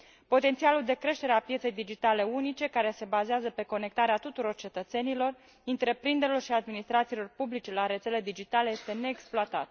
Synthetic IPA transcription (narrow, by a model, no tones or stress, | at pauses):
po̞t̪e̞nt̪sialuld̪e̞kɾe̞ʃt̪e̞ɾeapjet̪se̞jd̪id͡ʒit̪ale̞unit͡ʃe̞kaɾe̞se̞bazeazəpe̞ko̞ne̞kt̪aɾeat̪ut̪uɾo̞rt͡ʃe̞t̪ət̪se̞nilo̞r | int̪ɾe̞pɾind̪eɾilo̞rʃiad̪minist̪ɾat̪silo̞rpublit͡ʃe̞laɾe̞t̪se̞le̞d̪id͡ʒit̪ale̞jest̪e̞ne̞ːksploat̪a̰t̪